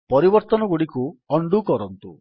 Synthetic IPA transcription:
pɔɾibɔɾt̪ɔnɔɡuɽikuɔɳɖukɔɾɔnt̪ṵ

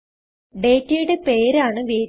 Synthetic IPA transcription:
ɖe̞ːtːɨjuɽepeːɾaːɳɨʋeː

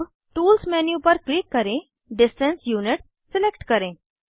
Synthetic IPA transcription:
ʈuːlsmɛnjupəɾklikːəɾẽ | ɖɪsʈẽnsjuniʈsːɪlekʈkəɾẽ

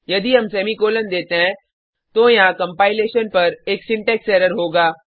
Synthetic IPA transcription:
jɐd̪iɦɐmsɛːmikoːlənd̪eːt̪eɦɛ̃ | t̪ojɦãkɐ̃mpaːɪleːʃənpɐɾeːksɪ̃ɳʈɛːksɛːɾəɾɦoːɡaː

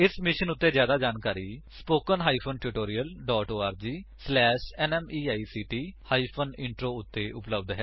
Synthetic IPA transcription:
ɪsmɪʃənʊt̪ːeːzjaːd̪aːd͡ʒaːnkaːɾiːspoːkənɦaːiːpʰoːnʈuʈoːɾiːəlɖɔːʈoːaːɾd͡ʒiːslɛːʃɛːnɛːmiːaːiːsiːʈiːhaːiːpʰənɪɳʈɾoːʊt̪ːeːʔʊpləbd̪ɦɛː

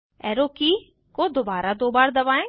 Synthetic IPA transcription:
ɛːɾoːki | koːd̪obaːɾad̪oːbaːɾd̪ɐʋaːẽː

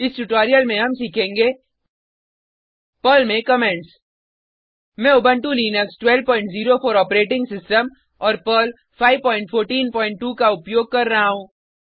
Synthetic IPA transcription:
ɪsʈuʈɔːɾijəlmẽɦɐmsiːkʰẽːŋɡeː | pəːlmẽkɐmẽːɳʈs | mɛ̃ʊbə̃ɳʈuliːnəksʈwɛlpɔ̃ːɪ̃ɳʈziːɾofɔːɾɔːpɾeːʈɪ̃ŋɡsɪsʈəm | ɔːɾpəːl | faːɪʋpɔ̃ːɪ̃ɳʈfʰoːɾʈiːnpɔːɪ̃ɳʈːuːkaʊpjoːɡ̚kɐɾːɐɦaɦũː

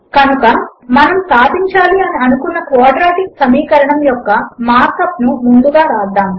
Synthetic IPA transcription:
kɐnukɐmɐnɐmsaːd̪iɲt͡ʃaːliɐniɐnukunːɐkʋaːɖɾaːʈiksɐmiːkɐɾɐɳɐmjɔkːɐmaːɾkɐpnumund̪uɡaːɾaːd̪ːaːm

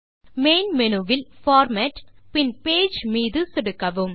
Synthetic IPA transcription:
meːnmɛnuʋɪlfaːɾmɛʈpɪnpeːd͡ʒmiːðɯsɪɽɯkːɐʋɯm

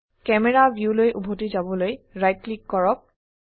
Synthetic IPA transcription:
kɛmɛɹabʱjulojʔubʱotizabɔlojɹajt̚klikːɔɹɔk̚

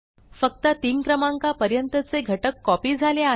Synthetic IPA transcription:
fək̚t̪ət̪iːnkɾəmaŋkapəɾjənt̪ət͡seɡʱəʈəkːɔpiːd͡zʱalea

